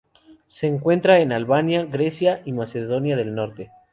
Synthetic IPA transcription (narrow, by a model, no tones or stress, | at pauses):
se̞ːŋkwe̞nt̪ɾaenalβanjaɣɾe̞sjaʔimase̞ðo̞njaðe̞lno̞ɾt̪e